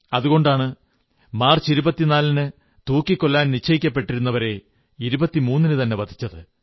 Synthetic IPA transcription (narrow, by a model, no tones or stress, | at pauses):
ɐðuɣo̞ɳɖaːɳɨ | maːrt͡ɕiɾubɐt̪ːinaːlinɨ | t̪uːkːikːo̞lːaːnnit͡ɕʰːɐjikʲːɐpːe̞ʈːiɾunːɐʋɐɾe̞ | iɾubɐt̪ːimuːnːinɨt̪ɐnːe̞ʋɐd̪ʰʱit͡ɕːɐðɨ